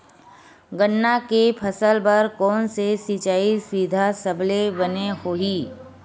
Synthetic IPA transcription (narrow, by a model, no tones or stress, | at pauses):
ɡənːakepʰəsəlbɐɾkɔːnsesiːt͡ʃaːiswid̪ʱasɐblebənehoːiː